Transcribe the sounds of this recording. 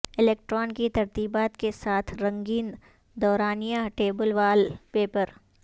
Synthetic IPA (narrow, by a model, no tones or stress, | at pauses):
ɪleːk̚ʈɾɔːnkit̪ɐɾt̪iːbaːt̪kesaːt̪ʰɾɐ̃ŋɡiːn | d̪ɔːɾaːnijaʈeːbəlʋaːlpeːpəɾ